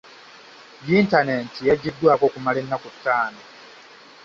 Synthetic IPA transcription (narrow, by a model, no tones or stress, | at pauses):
jintanentijaɟidːwaːkokumalenːakutːaːno